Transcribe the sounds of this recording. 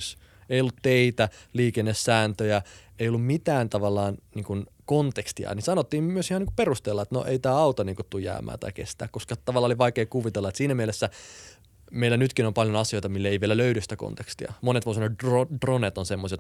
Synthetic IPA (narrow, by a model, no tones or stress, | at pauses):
s | eijolːut̪t̪eit̪æliːkenːessæːnt̪øjæeijolːummit̪æːnt̪ɑʋɑlːɑːnniːŋkun | kont̪ekst̪iɑ̰nisɑnot̪ːiːmmyøsihɑniːŋku̥perust̪eːlːɑet̪no̰ʔeit̪æːɑut̪oniːŋkut̪t̪ːujæ̰ːmæ̰ːnt̪ɑ̰ikest̪æ̰ːkoskɑt̪ɑʋɑlːɑoliʋɑikeːkuʋit̪elːɑet̪siːnæmielesːæ | meilænyt̪kinompɑljonɑsiojt̪ɑmilːæeiʋielæløydysit̪æko̰nt̪ekst̪iɑ̰monet̪ʋoˑisɑnotodronet̪onsemːoset̪